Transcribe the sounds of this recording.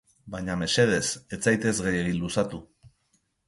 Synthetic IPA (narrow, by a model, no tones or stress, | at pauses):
bajɲame̞se̞ð̞e̞se̞t͡sajt̪e̞zɣeje̞ɣinlusat̪u